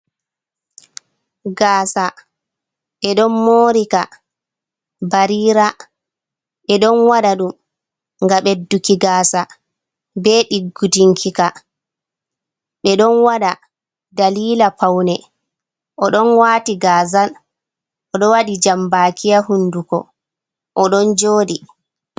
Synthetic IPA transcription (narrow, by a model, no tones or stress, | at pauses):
ɡaːsa | ɓɛɗɔnmoːɾika | baɾiːɾa | ɓɛɗɔnwaɗaɗum | ŋɡaɓɛdːukiɡaːsa | bɛɗiɡːudiŋkʰika | ɓɛɗɔnwaɗa | daliːlapawnɛ | ʔɔɗɔnwaːtiɡaːzal | ʔɔɗɔwaɗid͡ʒambakijahunːdukɔ̰ | ʔɔɗɔnd͡ʒoːɗi